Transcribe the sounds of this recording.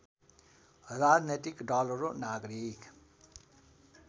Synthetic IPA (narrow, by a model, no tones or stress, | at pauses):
ɦəzaɾneʈikɖɔːləɾonaːɡɾik